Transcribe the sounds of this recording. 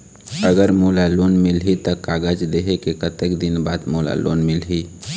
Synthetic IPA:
əɡəɾmoːlaloːnmɪlɦit̪əkaːɡəd͡ʒleɦekekət̪əkd̪ɪnbaːd̪moːla̰lo̰ːnmɪlɦi

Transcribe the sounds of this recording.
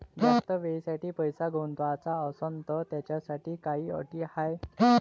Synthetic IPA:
d͡zd͡ʑat̪əʋesaʈiːpəjsaɡʱont̪ʋat͡saəsənt̪ət̪jat͡ɕjasaʈiːkaɦiːə̰ʈiːhaj

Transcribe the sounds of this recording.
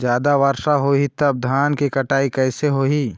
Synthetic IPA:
d͡ʒjaːd̪aʋəɾʃaɦoit̪ɐb̚d̪ʱaːnkikɐʈaːikɛːseɦoi

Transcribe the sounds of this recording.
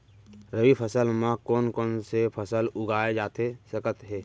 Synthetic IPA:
ɾəʋipʰəsəlmãkoːnkoːnsepʰəsəlʊɡaːed͡ʒaːt̪esəkət̪ɦeː

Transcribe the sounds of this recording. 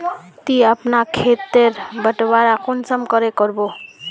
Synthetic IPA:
t̪iapnakʰet̪eɾbəʈbaɾakunsɔmkɔɾekɔɾbo

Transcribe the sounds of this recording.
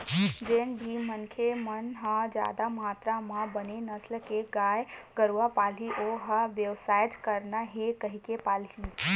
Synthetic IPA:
d͡ʒeːnbʱimənkʰemənɦə̃d͡ʒja̰ːd̪amɦaːt̪ɾamãbənenəslkeɡaːjɡəɾwapaːliʔoɦəʋjəwsaːjt̪kəɾnaɦekəɦikepaːli

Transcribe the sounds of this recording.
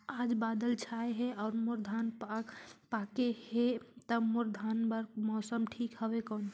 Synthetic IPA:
ad͡ʒbad̪əlt͡ʃʰaeɦeɔʊɾmoɾd̪ʱanpapakehet̪əmoɾd̪ʱanbəɾmɔsəmʈʰikɦəbekɔn

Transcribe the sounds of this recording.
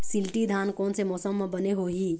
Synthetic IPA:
silʈid̪ʱaːnkɔːnsemɔːsəmːẽbəneɦoɦi

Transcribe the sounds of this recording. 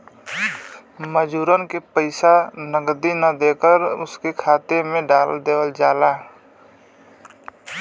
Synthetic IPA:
məd͡ʒuːɾənkepəɪsanəɡd̪inad̪eːkəɾʊskekʰaːt̪emẽɖaːld̪eːʋəld͡ʒaːlaː

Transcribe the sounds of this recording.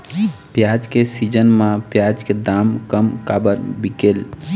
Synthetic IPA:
pjad͡ʒkesid͡ʒənmãpjad͡ʒked̪amkəmkabəɾbikel

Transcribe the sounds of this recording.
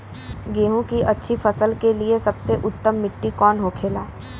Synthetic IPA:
ɡeːɦũkiʔɐtːʃʰifʰɐsəlkeliesɐbseʔʊt̪ːəmːɪʈːikɔːnɦokʰeːlaː

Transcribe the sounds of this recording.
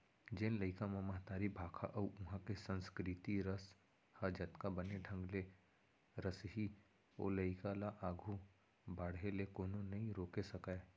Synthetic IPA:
d͡ʒẽnləɪkãmamɐɦt̪aːɾibʱaːkʰa̰ʔɐʊɦãkesə̃nskɾɪt̪iɾəs | hɐd͡ʒɐt̪kabɐneɖʱɐ̃ŋɡle | ɾəsɦi | o̰ːləɪkalaʔaːɡʱu | baːɽɦelekoːnõnɐɦĩɾoːkesɐkae

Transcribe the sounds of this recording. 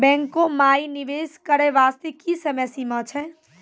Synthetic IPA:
bɛ̃ŋkõmajniʋeskəɾɛʋast̪ekisəmɛsimət͡ʃʰɛ

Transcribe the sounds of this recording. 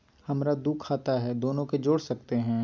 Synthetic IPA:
hɐmɾad̪ukʰːaːt̪aɦɛd̪oːnõked͡ʒoːɽsɐkt̪eɦɛ̃ː

